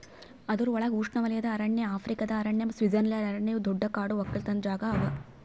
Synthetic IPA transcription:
ɐd̪ɐɾuɔɭɐɡuːʂɳɐʋɐlɐjɐd̪ɐːɾɐɳjeaːpʰɾikɐd̪ɐːɾɐɳːɐmsʋid͡ʒɐnɐlɐɾɐɾɐɳːejud̪ɔɖːɐkaːɽuɐkːɐlt̪ɐnd͡ʒaːɡɐːʋɐ

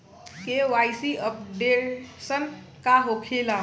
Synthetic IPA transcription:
kewajsiəp̚ɖesən | kaɦokʰela

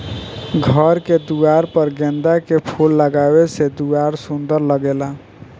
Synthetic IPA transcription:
ɡʱəɾked̪uaɾpəɾɡɛ̃nd̪akepʰulːəɡabesed̪uaɾsund̪əɾləɡela

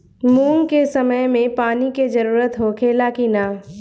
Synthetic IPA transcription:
muːŋkesɐməjmẽpaːniked͡ʒəɾuːɾət̪ɦoːkʰeːlakinaː

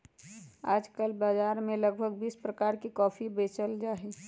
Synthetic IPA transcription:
aːd͡ʒkəlbaːd͡ʒaːɾmẽləɡbʱəɡ̚biːspɾəkaːɾkikɔːpʰibeːt͡ʃəld͡ʒaːɦe

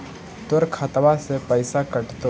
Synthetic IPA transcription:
t̪ʊɾkʰat̪ʋasepəɪsakɐʈt̪o

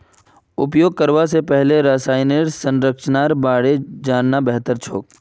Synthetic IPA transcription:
ʊpjoːɡ̚kəɾʋasepɛɦleɾaːsaːɪneɾsə̃nɾəkʃnaːɾbaːɽed͡ʒaːnːabɛɦt̪əɾt͡ʃʰo̰ːk̚

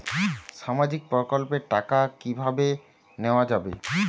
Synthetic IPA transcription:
ʃamad͡ʑik̚pɔkolpeɾʈakakibʱabe | neoad͡ʑabḛ

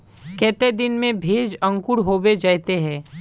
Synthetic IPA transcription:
kɛːt̪ed̪ɪnmẽbʱeːd͡ʒə̃ŋkʊɽɦoːbed͡ʒaːjt̪eɦɛ̃ː

